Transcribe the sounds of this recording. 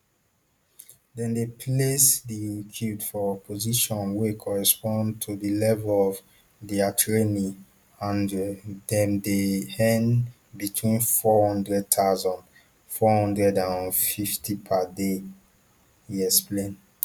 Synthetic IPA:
dɛ̃ndepʰlesdiĩŋkʰutfɔpʰoziʃɔ̃nwekʰɔɹɛspɔ̃ntʰudilɛvɛlɔv | diatʰɹeni | ãndɹɛdɛ̃mdehɛ̃n | bitʰwĩnfɔhɔ̃ndɹɛd̚tʰaʊzɔ̃n | fɔhɔ̃ndɹɛdãnnfiftʰipʰade | jiɛsplẽn

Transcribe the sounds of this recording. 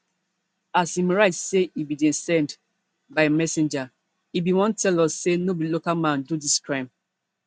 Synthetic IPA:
asimɹaɪtseibidẽnsɛ̃nd | baɪemɛsẽnd͡ʒa | ibiwɔ̃ntɛlɔsːenobilokalmãndudiskɹãɪ̃m

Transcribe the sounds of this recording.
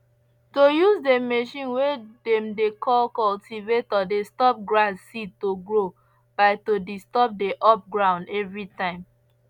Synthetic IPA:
tojuzdemeʃĩnwedɛ̃mdekʰɔlkɔltʰivetɔdestɔp̚ɡɹasːid̚toɡɹo | b̥aɪtodistɔp̚deʔɔp̚ɡɹãʊ̃ndɛvɹitãɪ̃m

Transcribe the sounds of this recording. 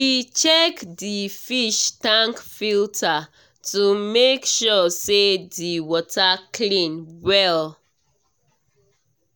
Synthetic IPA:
wit͡ʃɛkðifiʃtãŋkfiltʰə | tʰumekʃɔseðiwɔtʰəkʰlĩnwɛl

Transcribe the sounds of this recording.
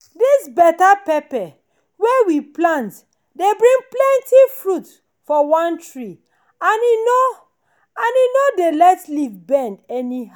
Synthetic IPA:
disbɛtapɛpɛ | wɛwiplãnt | debɹĩŋplɛ̃ntifɹut | fɔwɔ̃ntɹi | ãnino | ãninodelɛtlivbɛ̃ndɛniɦa

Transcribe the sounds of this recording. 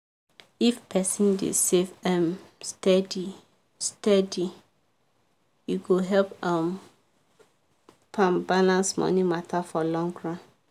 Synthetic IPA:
ifpʰɛsĩndḛsevɛmstɛdi | stɛdi | juɡoɦɛlpam | pʰãmbalãnsmɔ̰nĩmatʰafɔlɔ̃ŋɡɹɔ̃n

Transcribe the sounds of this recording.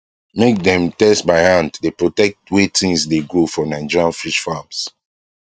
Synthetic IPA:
mek̚dɛ̃mtɛstbaɪhãnddepɹɔtɛk̚twetĩnsdeɡɹofɔnãɪ̃nd͡ʒiɹãnfɹiʃfams

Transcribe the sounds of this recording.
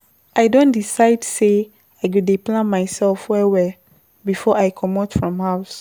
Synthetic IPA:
ajdõndisaɪdse | aɪɡudeplãnmaɪsɛlfwɛwɛ | bifɔʔajkʰɔmɔtfɹɔ̃mhaʊs

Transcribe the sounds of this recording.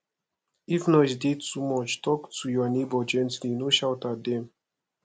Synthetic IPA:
ivnɔjd̪it͡sumɔt͡ʃt̪ɔkt͡sujɔnibɔd͡ʒent͡slinuɕawt̪ad̪em

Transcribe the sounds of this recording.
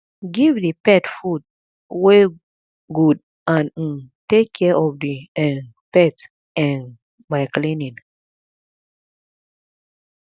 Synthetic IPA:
ɡivdipɛtfud̚ | we | ɡud | ãn̩tekʰːɛʔɔvdiɛn | pɛt | ɛ̃n | baɪklĩnĩn

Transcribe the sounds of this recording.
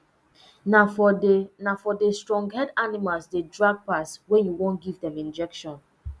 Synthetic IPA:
nafɔenafɔdestɹɔ̃ŋɡhɛdanimalsdedɹaɡ̚paswɛ̃njuwɔ̃nɡivdɛ̃mĩnd͡ʒɛkʃɔ̃n

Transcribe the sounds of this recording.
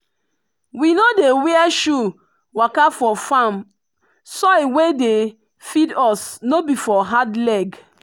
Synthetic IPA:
winodeweɛʃu | wakafɔfam | sɔɪwede | fidɔsnobifɔɦadlɛɡ

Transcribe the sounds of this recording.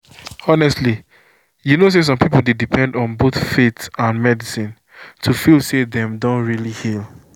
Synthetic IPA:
ɔnɛstli | junos̬es̬ɔ̃mpipolˠdedipʰɛ̃ndɔ̃n̩boθfetãnmɛdisĩn | tʰufilˠseðɛ̃mdõnɹilihilˠ

